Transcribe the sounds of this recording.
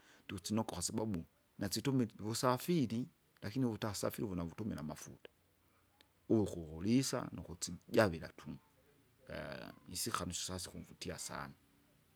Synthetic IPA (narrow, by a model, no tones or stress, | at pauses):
ndiut͡sinɔkɔxasababu | nat͡situmɛβusafili | lakiniβutasa̰fiɾiβunaβutumɛnamafṵtḁ | uβuxuhulisa̰nuxut͡siɟaβila̰tʰumu | isixanuʃɔ̥sasixuvutiasa̰na